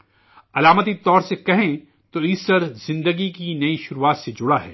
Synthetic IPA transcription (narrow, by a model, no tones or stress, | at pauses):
ɐlaːmət̪̬it̪ɔːɾsekɐɦẽ | t̪oɪsəɾzɪ̃nd̪əɡikinɐiʃʊɾuaːt̪sed͡ʒʊɽaɦɛ̰ː